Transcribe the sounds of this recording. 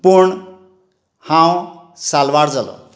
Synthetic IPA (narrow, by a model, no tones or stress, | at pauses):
puɳ | haw̃ | salwaɾd͡zʌlo̰